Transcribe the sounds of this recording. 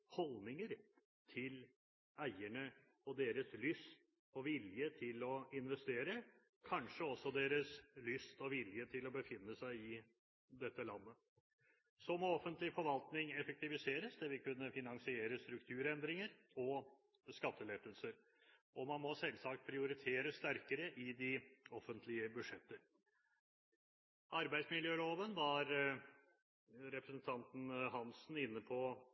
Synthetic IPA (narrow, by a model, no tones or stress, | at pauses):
hɔlnɪŋəɾ | t̪ʰɪl | æɪəɳə | ɔd̪eːɾəslʏst̪ | ɔʋɪljət̪ʰɪlɔɪnʋɛst̪eːɾə | kʰɑnʂəɔsːɔd̪eːɾəslʏst̪ɔʋɪljət̪ʰɪlɔbəfɪnːəsæɪɪ | d̪ɛt̪ːəlɑnːə | sɔmɔɔfənt̪lɪfɔɾʋɑlt̪nɪŋɛfək̚t̪ɪʋɪseːɾəsd̪ɛʋɪlkʉnːəfɪnɑnsɪeːɾəst̪ɾʉkt̪ʰʉːɾɛnd̪ɾɪŋəɾ | ɔ | skɑt̪ːəlet̪əlsəɾ | ʔɔmɑnmɔsɛlsɑkt̪̚pʰɾɪʊɾɪt̪ʰeːɾəst̪æɾkəɾəʔɪd̪ɪɔfːənt̪ʰlɪəbʉd̪ʂɛt̪ːəɾ | ɑɾbæɪsmɪljøːloːʋənʋɑɾ | ɾɛpɾəsən̩t̪ʰɑnt̪n̩ɦɑnsn̩ɪnːəpʰɔ